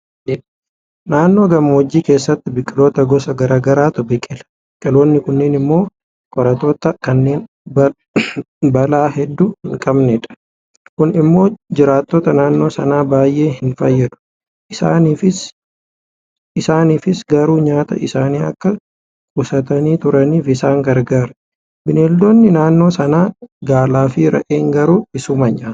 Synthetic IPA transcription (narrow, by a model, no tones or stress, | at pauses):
naːnːoːɡɐmɐwɔd͡ʒːiːke̞ːsːɐt̪ːɪbɪkʼːɪlo̞ːt̪ɐɡɔsɐɡɐɾaːɡɐɾaːt̪ʊbɪkʼːɪlɐ̥bɪkʼːɪlo̞ːnːɪkʊnːeːnɪmːo̞ː | kʼɔɾɐt̪oːt̪ɐkɐnːe̞ːn | bɐlaːɦɛd̪ːuhɪŋkʼɐbnɛːᶑɐ̥ | kʊnɪmːo̞ːd͡ʒɪɾaːt̪ːot̪ɐnaːnːo̞ːsɐnaːbaːjʔe̞ːhɪnfɐjːɛᶑʊ̥ | ɪsaːniːfɪs | ɪsaːniːfɪsɡɐɾuːɲaːt̪ɐ̰ʔɪsaːniːɐ̰kːɐ | kʼʊsɐt̪ɐniːt̪ʊɾɐniːfɪsaːŋɡɐɾɡaːɾ | bɪneːld̪oːnːɪnaːnːo̞ːsɐnaːɡaːlaːfɪɾɐ̰ʔeːŋɡɐɾuːbɪsʊmɐɲaːt